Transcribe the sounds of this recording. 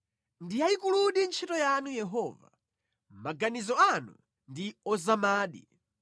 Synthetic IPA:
ndijaikuluɗint͡ʃʰitɔjanujɛɦɔːva̰ | maɡanizɔanṵ | ndiɔzamaːɗi

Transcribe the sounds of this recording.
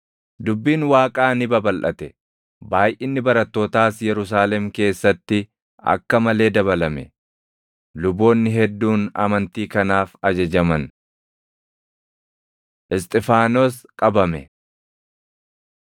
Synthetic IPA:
d̪ʊbːiːnwaːkʼaːnɪbɐbɐlʔɐt̪ɛ | baːjʔɪnːɪbɐɾɐt̪ːo̞ːt̪aːsjɛɾʊs̬aːlɛmke̞ːsːɐt̪ːɪ | ɐ̰kːɐmɐle̞ːd̪ɐβɐlɐmɛ̰ | lʊbo̞ːnːɪɦɛd̪ːuːnɐ̰mɐnt̪iːkɐnaːfɐd͡ʒɐd͡ʒɐmɐn | ʔɪst̪ʼɪfaːnoskʼɐbɐmɛ

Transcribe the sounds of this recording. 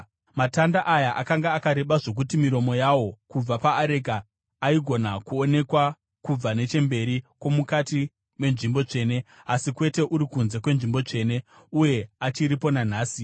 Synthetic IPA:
matandaʔajaʔakaŋɡaːkaɾe̞ɓaʐo̞k̬utimiɾo̞mo̞jawo̞kub͡vapaːɾe̞ɡʱaː | iɡʱo̞nakuone̞kwa | kub͡vane̞t͡ʃe̞mbe̞ɾikwo̞mukati | me̞nʐimbo̞t͡ʂe̞ːne̞asikwe̞te̞ʔuɾikunze̞kwe̞nʐimbo̞t͡ʂe̞ːne̞ | uje̞at͡ʃiɾipo̞nan̤aːsi

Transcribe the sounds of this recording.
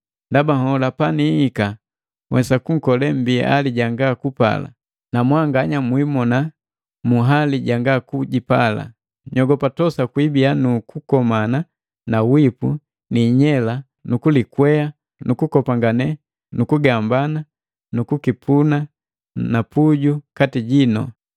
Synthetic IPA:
ndabaŋɔlapaniːka | wʔɛ̰sakuŋ̩kɔlɛm̩biʔaliɟaŋɡakupa̰la̰ | namwaŋɡaɲamwimɔna | muɦaliɟaŋɡakuɟipala̰ | ɲɔɡɔpatɔsakwibianukukɔmana | nawipu | niɲɛla | nukulikwɛa | nukukɔpaŋɡanɛ | nukuɡambana | nukukipʰuna | napuɟukatiɟinɔ̰

